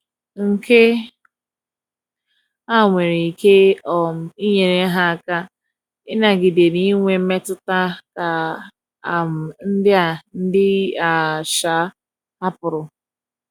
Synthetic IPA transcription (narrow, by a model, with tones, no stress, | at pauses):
ŋ̩˨ke˦ | a˦ŋʷe˨ɾe˨i˨ke˦ɔ˨m˨i˦ɲe˨ne˦ɦa˦a˨ka˦ | ɪ˦na˨ɡi˨de˨ni˦ŋʷe˨m̩˦me˦tʊ˦ta˦ka˨ | a˨m̩˨n̩˦dɪ˦a˨n̩˦dɪ˦a˨ʃa˨˦ | a˦pʊ˨ɾʊ˨